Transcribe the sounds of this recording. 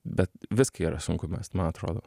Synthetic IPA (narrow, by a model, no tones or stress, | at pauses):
bʲɛt̪ʋʲɪskɐiːɾɐsʊŋkʊmʲɛ̰st̪mɐnɐt̪ɾo̰ːd̪o̰ː